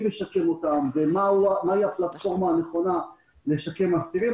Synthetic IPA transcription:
meʃake̞mo̞t̪amvemaumaiaplat̪fo̞ʁmaːne̞χo̞na | le̞ʃake̞masiʁi

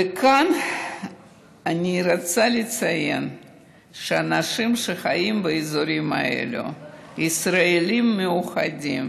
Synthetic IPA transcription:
ɨkʰan | anʲiːɾat͡sʰalʲit͡sʰajen | ʂanaʂɨmʂɨχaimbɨizoɾima̰ḛlʲṵisraelʲimːeuχadʲim

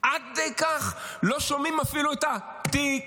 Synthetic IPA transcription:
ʔad̚d̪ejkaχloʃomimafiluit̪a | t̪i

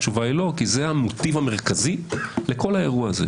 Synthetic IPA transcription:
t͡ʃuvailo̞kizeamot̪ivame̞ʁkazile̞ko̞lae̞ʁuaːzḛ

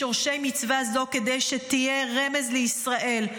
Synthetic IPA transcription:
oʁʃejmit͡svazo̞ked̪ejʃet̪ijeʁemezleisʁaʔe̞l

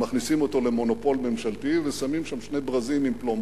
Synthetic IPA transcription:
maχnisimo̞t̪o̞le̞mo̞no̞po̞lme̞mʃalt̪ivesamimʃamʃne̞bʁazimimplom

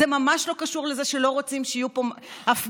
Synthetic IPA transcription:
emamaʃlo̞kaʃuʁle̞zeʃe̞lo̞ʁot͡simʃeijupomaf

